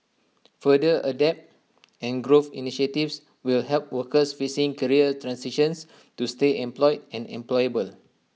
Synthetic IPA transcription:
fədəʔədɛp̚t | ɛ̃nɡɹofḭniʃətifs | wilhɛlp̚wəkəsfisĩŋkəɹiətɹãnsiʃə̃ns | tusteɛ̃mplɔɪdɛ̃nɛ̰̃mplɔjəbəl

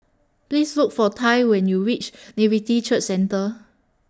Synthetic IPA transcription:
plisluk̚fɔtʰãɪwɛ̃njuwit͡ʃnivitit͡ʃət͡ʃsɛ̃ntə

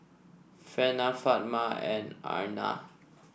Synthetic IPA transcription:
fɛnafat̚maɛ̰̃na̰na̰

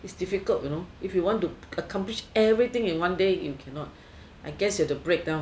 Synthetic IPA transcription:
itsdifikəltjunoifjiwɔ̃ntuəkʰãmpliʃɛvɹit̪ɪ̃ŋĩnwãndejṵkʰɛ̃nɔt̚ | ʔaɪɡɛsjədəbɹek̚dãʊ̃

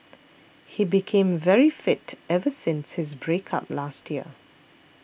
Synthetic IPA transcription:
hibikʰẽmvɛɹifɪtɛvəsɪ̃nshɪs̬bɹekʰa̰p̚lastjiə̰

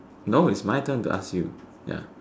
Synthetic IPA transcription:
noʊɪsmaɪtə̃ntṵʔa̰skjṵ | ja̰

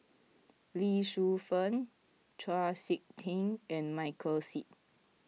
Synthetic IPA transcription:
liʃufə̃n | tʰɹasik̚tʰĩŋɛ̃nmaɪkʰəlsit̚

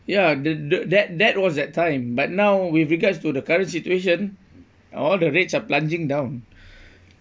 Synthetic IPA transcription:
jadddɛt̚dɛt̚wɔsdɛtʰːãɪ̃mbat̚nawwifɹiɡadstudəkaɹə̃nsitueʃ̬ə̃n | ɔldəɹetsaplãnd͡ʒɪ̃ŋdãw̃n

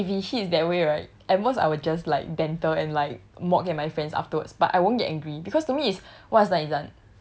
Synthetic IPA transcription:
ifiʃisdɛt̚weɹaɪt̚ɛt̚mosa̰ɪwəd͡ʒas̬laɪk̚dɛ̃ntəɛ̰̃nlaɪk̚mɔkɛ̃nmaɪfɹɛ̃ndsa̰ftəwədsb̥atʔa̰jwõnɡɛtʔɛ̃ŋɡɹibikʰɔstumiɪswɔtsnatidãn

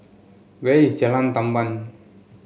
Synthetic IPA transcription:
wei̥d͡ʒalant̪amban

